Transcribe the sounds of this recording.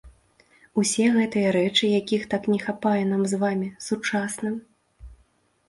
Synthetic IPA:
usʲɛɣɛt̪ɨjɐɾɛt͡ʂɨjakʲixt̪aknʲɛxapajɛnamzvamʲisut͡ʂasnɨm

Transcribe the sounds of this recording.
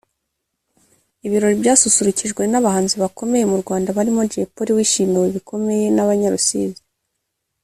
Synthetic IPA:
iβiɾo̞ɾibɟaːsusuɾuciʒɡwe̞naβahaːnziβako̞me̞je̞muɾɡwaːndaβaɾimod͡ʒepoɾiwiːʃiːniweβikʰo̞me̞je̞naβaɲaɾusḭːzi

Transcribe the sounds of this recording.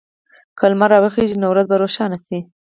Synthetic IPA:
kalmaɾɑwəxeʒinawɾazbaɾoʃɑnasi

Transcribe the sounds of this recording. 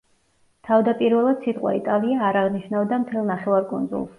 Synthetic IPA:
t̪ʰavd̪apʼiɾvɛlˠad̪̥sit̪ʼqʼwa̰it̪ʼalˠiaːɾaʁniʃnavd̪amt̪ʰɛlˠnaχɛvaɾkʼṵnd̪zṵlˠs

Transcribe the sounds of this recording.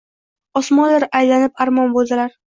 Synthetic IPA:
ɒsmɒnlɪɾajlanɪpaɾmɒnbolˠd̪ɪlaɾ

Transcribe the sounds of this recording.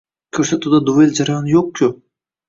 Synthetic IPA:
kʲʰɵɾsat̪ʰud̪ad̪uveld͡ʒaɾajɒnjoq̚kʲʰʊ

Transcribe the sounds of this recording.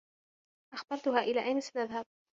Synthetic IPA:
ʔaxbɑɾˤt̪ʊɦaːʔɪlaːʔajnɪsnaðhab̚

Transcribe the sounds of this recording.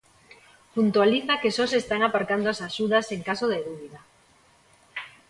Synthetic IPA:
punt̪waliθakesɔsest̪aŋapaɾkand̪oasaʃuðaseŋkasoðeðuβiða

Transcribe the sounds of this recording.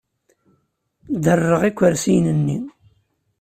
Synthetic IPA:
d̪ərˤːəʁikʷːəɾsijnənːi

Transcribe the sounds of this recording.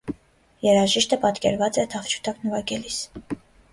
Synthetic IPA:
jɛɾɑʒiʃt̪əpɑt̪kɛ̰ɾvɑt͡sɛt̪ʰɑft͡ʃʰu̥t̪ʰɑknəvɑɡɛlis

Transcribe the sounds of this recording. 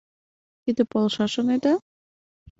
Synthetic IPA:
t̪id̪ə̆polˠʃɑʃoned̪ɑ

